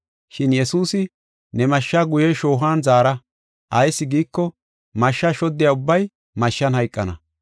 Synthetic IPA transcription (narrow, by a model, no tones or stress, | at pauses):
ʃɪnjɛsuːsɪ | nɛmɐʃːaɡʊjɛʃo̞ːɦaːnzaːɾɐ | ʔɐjsːɪɡiːkːɔ | mɐʃːɐʃɔd̪ːɪjaːʊbːɐj | mɐʃːɐnhɐjkʼːɐnɐ